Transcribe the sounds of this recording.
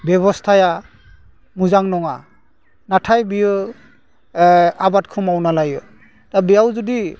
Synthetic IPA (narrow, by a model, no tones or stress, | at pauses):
bɛβɔstʰaja | muzaŋnɔŋa | natʰajbijɯ | abat̚kʰɔmawnalajɯ | tabɛjawzɔdi